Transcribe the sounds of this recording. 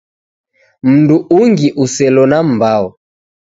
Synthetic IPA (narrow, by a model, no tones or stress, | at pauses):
m̩nduʔuŋɡiʔusɛlɔnam̩baɔ